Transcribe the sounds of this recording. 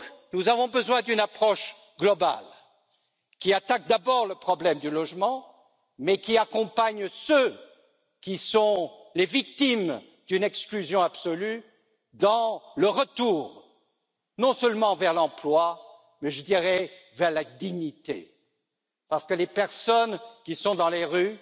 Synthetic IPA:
knuzavɔ̃bəzwɛ̃d̪ynapχɔʃ | ɡlɔba̰l | kʲiat̪ak̚d̪abɔʁləpχɔblɛmd̪ylɔʒmɑ̃ | mɛkʲiakɔ̃paɲsø | kʲisɔ̃levik̚t̪im | d̪ynɛksklyzjɔ̃absɔly | d̪ɑ̃ləʁət̪uːʁ | nɔ̃sœlmɑ̃vɛʁlɑ̃plwa | mɛʒəd̪iʁɛ | vɛʁlad̪iɲit̪ḛ | paʁsə̥kəlepɛʁsɔnkʲisɔ̃d̪ɑ̃leʁy

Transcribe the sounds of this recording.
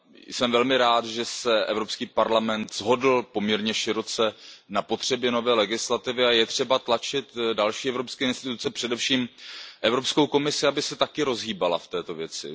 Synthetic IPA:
sɛmvɛlmɪɾaːt̪ʒɛsɛʔɛ̰vɾo̞pskiːpaɾlamɛnt̪z̥ɦo̞dl̩po̞mɲɛɾɲɛʃɪɾo̞t͡sɛnapo̞t̪r̝̥ɛbjɛno̞vɛːlɛɡɪslat̪ɪvɪajɛt̪r̝̥ɛbat̪lat͡ʃɪt̪dalʃiːɛvɾopskɛːɪnst̪ɪt̪ut͡sɛpr̝̥ɛdɛfʃiːmʔɛvɾo̞pskowko̞mɪsɪabɪsɛt̪akɪɾo̞zɦiːbala̰ft̪ɛːt̪o̞vjɛt͡sɪ̰

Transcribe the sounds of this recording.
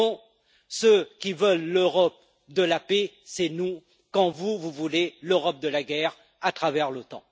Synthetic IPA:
ɔ̃ | səkʲivəlːøʁɔp̚ | d̪əlape | sɛnu | kɑ̃vuvuvuleløʁɔp̚d̪əlaɡʲɛʁ | at̪χavɛʁlot̪ɑ̰̃

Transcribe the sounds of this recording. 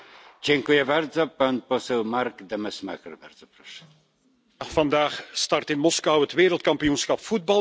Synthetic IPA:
d͡ʑɛŋkujɛbaɾd̪zɔpanpɔsɛwmaɾɡd̪ɛmɛsma̰kɛɾbaɾd̪z̥ɔpɾɔʂɛ̥ | v̥ɑndaːxstɑrtɪnmɔskɑwɦətʋeːɾəlˠt̚kɑmpijunsxɑpfud̚bɑ

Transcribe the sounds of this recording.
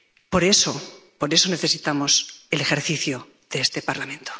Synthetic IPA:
po̞ɾe̞sopo̞ɾe̞so̞ne̞θe̞sit̪amo̞selexe̞ɾθiθjo | ð̥eest̪epaɾlamẽ̞nt̪o

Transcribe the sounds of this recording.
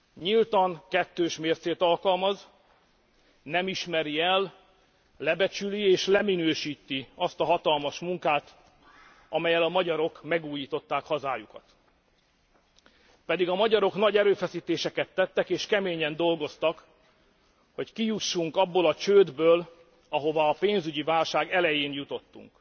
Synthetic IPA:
ɲilt̪ɒŋkɛt̪ːøːʃmeːrt̪seːt̪ɒlkɒlmɒz | nɛmiʃmɛɾiɛl | lɛbɛt͡ʃylieːʃlɛminøːʃiːt̪ːiɒst̪ɒɦɒt̪ɒlmɒʃmuŋkaːt̪ | ʔɒmɛjɛlɒmɒɟɒɾo̞kmɛɡuːjiːt̪o̞t̪ːaːkhɒzaːjukɒt̪ | pɛd̪iɡɒmɒɟɒɾo̞knɒɟɛɾøːfɛsiːt̪eːʃɛkɛt̪ːɛt̪ːɛkeːʃkɛmeːɲɛnd̪o̞lɡo̞st̪ɒk | ho̞ckijuʃːuŋkɒbːoːlɒt͡ʃøːd̪bøːl | ɒɦo̞vɒːpeːnzyɟivaːlʃaːɡɛlɛjeːnjut̪o̞t̪ːṵŋk

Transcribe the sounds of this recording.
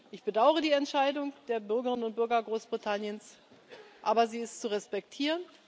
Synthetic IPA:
ʔɪçb̥ədaʊəʁədiːɛntʃaɪdʊŋd̥eːɐbʏɐɡəʁɪnənʊnt̚b̥ʏɐɡɐɡʁoːsb̥ʁitʰanjəns | ʔaːbɐziːɪstt͡suʁɛspɛktʰiːʁən

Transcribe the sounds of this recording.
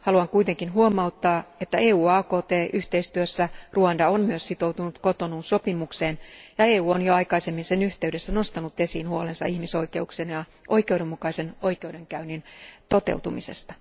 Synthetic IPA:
hɑluɑŋkuit̪eŋkinɦuomɑut̪ːɑːet̪ːæeːuːɑːkoːt̪eːʔyht̪eist̪yøsːæruɑndɑonmyøssit̪ouwt̪unut̪kot̪onunso̞pimukseːnjɑeːuːonjoɑikɑisemːinsenyht̪eydesːænost̪ɑnut̪e̞siːnhuolensɑ̰ihmiso̞ike̞uksenjɑ | ʔo̞ikˑeudemːukɑisenoikeude̞ŋkæynint̪ot̪ḛwt̪umise̞̰st̪ɑ

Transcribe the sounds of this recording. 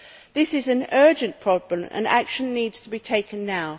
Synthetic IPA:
ðɪsɨzɨ̃nɜ˞d͡ʒɨ̃npʰɹ̥ɒblə̃mə̰̃na̰kʃə̃nːiːdz̥tʰəbitʰeɪkə̃nːaʊ

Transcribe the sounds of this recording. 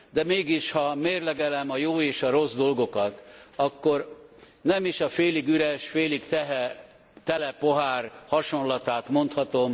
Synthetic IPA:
d̪ɛmeːɡiʃhɒmeːrlɛɡɛlɛmɒjoːeːʃɒɾo̞zd̪o̞lɡo̞kɒt̪ɒkːo̞r | nɛmiʃɒfeːliɡyɾɛʃfeːlikt̪ɛɦɛ | t̪ɛlɛpoɦaːrhɒʃo̞nlɒt̪aːt̪mo̞nt̪hɒt̪o̞m

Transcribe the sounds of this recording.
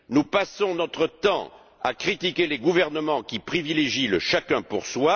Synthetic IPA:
nupasɔ̃nɔt̪χət̪ɑ̰̃ | a̰kχit̪ikʲeleɡuvɛʁnəmɑ̃kʲipχivileʒiləʃakɛ̃puʁswa

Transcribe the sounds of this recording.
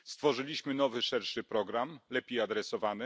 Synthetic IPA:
st̪fɔʐɘlʲiɕmɘnɔvɘʂɛɾʂɘpɾɔɡɾamlɛpʲjejad̪ɾɛsɔvanɘ

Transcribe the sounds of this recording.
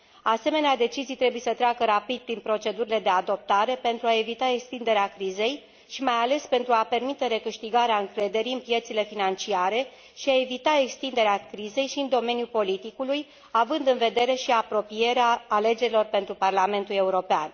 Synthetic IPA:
ase̞me̞nead̪e̞t͡ʃizijt̪ɾe̞buje̞sət̪ɾeakəɾapid̪̚pɾinpɾo̞t͡ʃe̞d̪uɾile̞d̪e̞ad̪o̞p̚t̪aɾe̞pe̞nt̪ɾuae̞vit̪ae̞kst̪ind̪e̞ɾeakɾize̞j | ʃimajale̞spe̞nt̪ɾuape̞rmit̪e̞ɾe̞kɨʃt̪iɡaɾeaɨŋkɾe̞d̪e̞ɾiɨnpje̞t̪sile̞finant͡ʃiaɾe̞ | ʃiae̞vit̪ae̞kst̪ind̪e̞ɾeakɾize̞jʃiɨnd̪o̞me̞njupo̞lit̪ikuluj | avɨnd̪ɨnve̞d̪e̞ɾe̞ʃiapɾo̞pije̞ɾeaːle̞d͡ʒe̞ɾilo̞rpent̪ɾuparlame̞nt̪ule̞uɾo̞pea̰n

